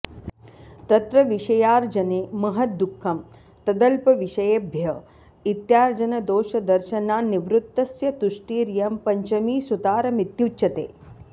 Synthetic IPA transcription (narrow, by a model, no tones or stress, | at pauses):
t̪ɐt̪ɾɐʋiʃɐjaːɾd͡ʒɐneːmɐɦɐd̪ukʰːɐm | t̪ɐd̪ɐlpɐʋiʃɐjeːbʱjɐ | it̪jaːɾd͡ʒɐnɐd̪oːʃɐd̪ɐɾʃɐnaːniʋɾut̪ːɐsjɐd̪uʂʈiːɾijɐmpɐɲt͡ʃɐmiːsut̪aːɾɐmit̪jutːt͡ʃɐt̪ḛː